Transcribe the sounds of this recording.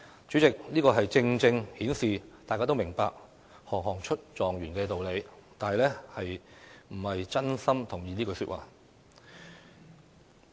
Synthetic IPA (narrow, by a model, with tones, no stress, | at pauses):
t͡ʃyː˨˥t͡sɪ˨k̚niː˥kɔː˧ɦɐ˨jt͡sɪ˧ŋt͡sɪ˧ŋhiː˨˥nsiː˨t̪aː˨jkaː˥t̪o˥wmɪ˨˩ŋpaː˧k̚ | hɔː˨˩ŋɦɔː˨˩ŋt͡ʃʰɵ˥t̚t͡ʃɔː˨ŋjyː˨˩nkɛː˧t̪o˨wle˨˧jt̪aː˨nɦɐ˨jlɛː˥hɐ˨jm̩˨˩hɐ˨jt͡sɐ˥nsɐ˥mt̪ʰʊ˨˩ŋjiː˨˧niː˥kɵ˧ɥsyː˧t̚waː˨˩